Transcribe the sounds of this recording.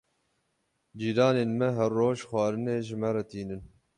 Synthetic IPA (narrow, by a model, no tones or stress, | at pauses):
d͡ʒiːdɑːneːnmɛɦɛrːoːʒxwɑːɾɨneːʒɪmɛɾɛt̪iːnɨn